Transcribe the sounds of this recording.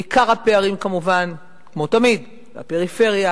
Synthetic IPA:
ikaʁhape̞aʁimkamuvan | kmo̞tamid | a̰peʁife̞ʁja

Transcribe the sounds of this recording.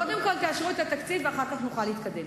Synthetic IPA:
od̪ɛmkolt̪eaʃʁuet̪ʰat̪akt͡siveaχakaχnuχalit̪kʰad̪em

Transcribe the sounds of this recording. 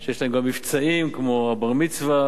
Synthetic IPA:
ʃejeʃlaemɡamːift͡saimkmoabaʁmit͡sva

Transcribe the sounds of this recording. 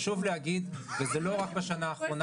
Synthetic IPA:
ʃuvlehaɡid̪vezelo̞ʁak̚beʃanaːχʁo̞n

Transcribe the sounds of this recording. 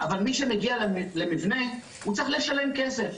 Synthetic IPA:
ʔavalmiʃe̞me̞ɡialle̞mivne̞ | ut͡saχleʃale̞mke̞se̞f

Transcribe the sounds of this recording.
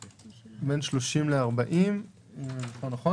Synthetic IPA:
benʃloʃimleaʁbaʔim | χonaχo

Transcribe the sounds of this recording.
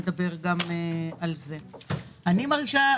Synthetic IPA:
ed̪abe̞ʁɡamealze̞ | animaʁɡiʃa

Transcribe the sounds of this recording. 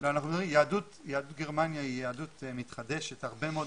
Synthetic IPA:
leanaχnuʁimjeadut | jaadutɡeʁmanjaijeadut̪mit̪χad̪eʃethaʁbemeo

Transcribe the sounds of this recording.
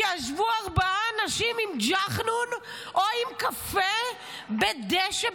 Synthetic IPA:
aʃvuaʁbaaːnaʃimimd͡ʒaχnun | ʔoimkafe | bed̪eʃe

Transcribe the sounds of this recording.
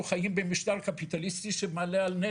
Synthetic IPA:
uχajimbemiʃt̪aʁkapit̪alist̪iʃemalealne

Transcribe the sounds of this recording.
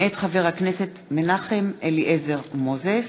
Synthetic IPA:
et̪χaveʁhakneset̪menaχemʔeliʔezeʁmozes

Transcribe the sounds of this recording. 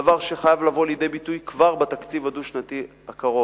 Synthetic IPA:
avaʁʃeχajavlavo̞ljd̪ejbit̪ujkvaʁbat̪akt͡sivad̪uʃnat̪i | akaʁo

